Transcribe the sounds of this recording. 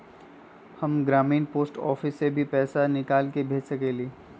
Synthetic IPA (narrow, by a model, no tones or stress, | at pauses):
hɐmɡɾaːmiːnpoːsʈɔ̰ːfɪsːebʱipɛːsanɪkaːlkebʱeːd͡ʒsɐkeːliː